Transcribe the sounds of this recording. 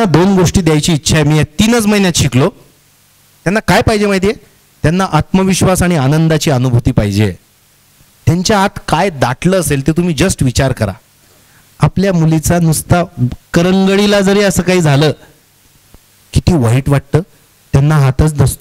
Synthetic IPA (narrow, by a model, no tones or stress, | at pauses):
ad̪onɡoʂʈiːd̪ejajt͡ɕiːtːɕʰajmiːet̪inət͡sməinjat̪ɕiklo | t̪janːakajpaɦid͡ʑemaɦit̪̬ije | t̪janːaʔat̪məʋiɕʋasaɽ̃ianənd̪at͡ɕiːənubʱut̪iːpaɦid͡ʑḛ | t̪jaɲt͡ɕjaat̪kajd̪aʈləːselt̪et̪um̤iːd͡zəsʈʋit͡ɕaɾkəɾa̰ | apljamulit͡sanust̪akəɾəŋɡəɽilad͡zəɾeːəsəːkaɦiːd͡zʱaləː | kit̪iːʋəɦiːʈʋaʈ̚t̪əː | t̪janːaɦat̪ət͡sd̪əst̪o